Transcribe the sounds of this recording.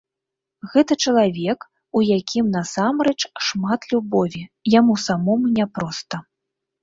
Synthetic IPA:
ɣɛt̪ɐt͡ʃɐlˠavʲɛk | ujakʲʰimnɐsamɾɛt͡ʂʂmat̪lʲubɔvʲijamusamɔmunʲɛpɾɔst̪ɐ

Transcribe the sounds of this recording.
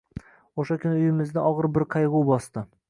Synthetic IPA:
oʃakʰʲʊnɪʊjɪmɪzd̪aʔɒʁɨɾbɪɾqʰɑjʁʊwbɒst̪ɪ

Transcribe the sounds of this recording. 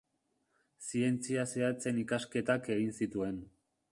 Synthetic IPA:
sie̞nt͡siaseat͡se̞nikaske̞t̪ake̞ɣinsit̪ue̞n

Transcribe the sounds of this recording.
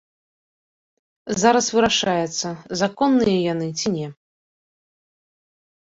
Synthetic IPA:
zaɾɐsvɨɾaʂajɛt̪sːɐzakɔnːɨjɐjanɨt͡sʲinʲɛ

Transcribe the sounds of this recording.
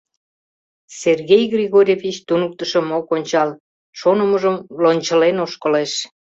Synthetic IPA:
serɣejɣrʲiɣoɾʲevit͡ɕt̪unək̚t̪əʃə̆mokonʲt͡ɕɑl | ʃonəməʒəmlonʲt͡ɕəlenoʃkəleʃ

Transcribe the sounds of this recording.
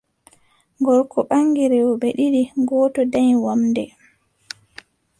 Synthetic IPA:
ŋɡɔlkʰɔɓaŋːɡiɾɛwɔɓɛɗiɾiɡɔːtɔdajwamdɛ

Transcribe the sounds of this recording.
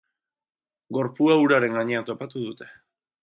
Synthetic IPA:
ɡo̞ɾpuauɾaɾe̞ŋɡaɲe̞at̪o̞pat̪uðut̪e̞̥

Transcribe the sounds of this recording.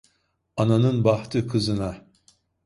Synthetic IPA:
ananɯnbaht̪ʰɯkʰɯzɯna

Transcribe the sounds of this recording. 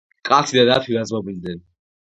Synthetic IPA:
kʼasʰid̪ad̪at̪ʰiɾazmɔbild̪ɛn

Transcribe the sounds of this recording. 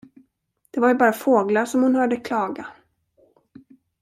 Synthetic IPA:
d̪̥ɛvaɾjbɑːɾafoːɡlaʂɔmhʊnhœːɖəkʰlɑːɡa

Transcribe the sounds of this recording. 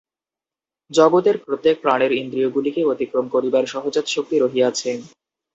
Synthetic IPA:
d͡ʑɔɡot̪eɾpɾot̪ːek̚pɾañeɾind̪ɾioɡulikeot̪ikɾomkoɾibaɾʃɔɦod͡ʑat̪ʃok̚t̪iɾoɦiat͡ɕʰen

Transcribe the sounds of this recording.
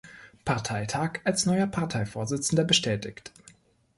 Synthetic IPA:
pʰaɐtʰaɪtʰaːkalsnɔʏɐpʰaɐtʰaɪfoːɐzɪt͡sn̩dɐbəʃtʰɛːtɪçt

